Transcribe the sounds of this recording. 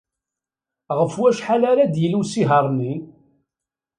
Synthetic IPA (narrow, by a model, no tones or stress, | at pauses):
ʁəfwæʃħalæɾæd̪jəlusiɦəɾˤnin